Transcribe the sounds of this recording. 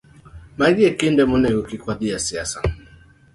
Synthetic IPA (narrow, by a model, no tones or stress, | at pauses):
maɡiɛkindɛmunɛɡukikwaðiasiasa